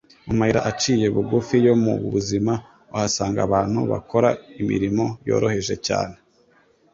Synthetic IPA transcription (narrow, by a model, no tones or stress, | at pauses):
umahiɾa̰ʔat͡ʃiːje̞βuɡufijo̞mṵβ̰βuzima | uhasaːŋɡaβaːn̥hṵβa̰ko̞ɾaimḭɾimo̞jo̞̰ːɾo̞he̞ʒe̞ca̰ːne̞